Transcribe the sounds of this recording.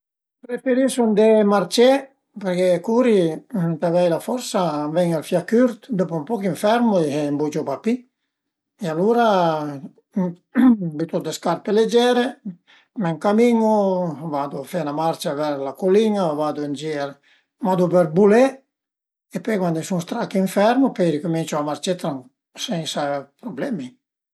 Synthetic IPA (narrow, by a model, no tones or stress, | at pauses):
pɾefeɾisund̪emart͡ʃɛ | peɾkekuːɾit̪avɛjlafɔɾsavɛŋalfjakːyɾt̪d̪ɔpompɔkiɱfɛɾmoeɦɛmbud͡ʒɔpapːi | ealuːɾa | bit̪ɔd̪eskarpeled͡ʒɛːɾe | mɛŋkamiŋovad̪ofɛnamaɾt͡ʃavɛɾlakoliŋavad̪und͡ʒi | mad̪upeɾbulɛ | epejkwand̪isuŋst̪ɾakiɱfɛɾmopeɾikomint͡ʃoamart͡ʃet̪ːɾaŋ | sɛnsapɾoblɛmi